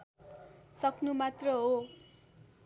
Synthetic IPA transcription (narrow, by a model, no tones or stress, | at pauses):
sʌkʰnumat̪rʌɦo